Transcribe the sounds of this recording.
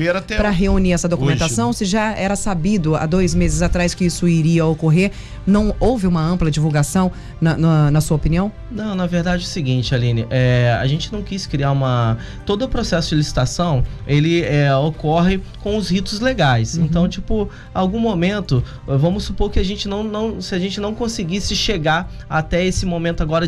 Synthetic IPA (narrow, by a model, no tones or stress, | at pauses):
veɾat̪ɛpɾɐɦeuniɾɛsɐd̪okumẽt̪asɐ̃w̃sɪʒaɛɾɐsabid̪ʊa̰d̪ojzmezɪzat̪ɾajskɪisʊiɾiɐokoɦeɾ | nɐ̃w̃owvɪũmɐɐ̃mplɐd͡ʒivuɡasɐ̃w̃ | nɐnɐnɐsuɐopiniɐ̃w̃ | nɐ̃w̃nɐveɾd̪ad͡ʒɪʊsiɡĩt͡ʃɪalĩnɐʔɛa̰ʒẽnt͡ʃɪnɐ̃w̃kiskɾiaɾũmɐ | t̪od̪ʊːpɾosɛsʊd͡ʒɪlisi̥t̪asɐ̃w̃elɪɛokɔɦɪkõw̃ʊzhit̪ʊzleɡajsẽnt̪ɐ̃w̃t͡ʃipʊ | awɡũmomẽnt̪ʊ | vɐ̃mʊsːupoɾkɪaʒẽnt͡ʃɪnɐ̃w̃nɐ̃w̃sɪaʒẽnt͡ʃɪnɐ̃w̃kõsɪɡisɪʃeɡaɾ | at̪ɛesɪmomẽnt̪ʊaɡɔɾɐ